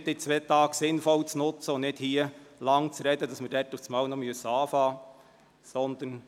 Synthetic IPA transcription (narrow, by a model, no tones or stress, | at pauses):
dɪt͡sʋɛːt̪ɑːɡ̥sɪnfɔwt͡snʊt͡səʊnnɪdhiəlɑŋt͡sɾɛd̥̪əd̪ɑsməɾd̥ɛtuft͡smɑːwnɔmyəsːəɑːfɑː | sɔnd̪ən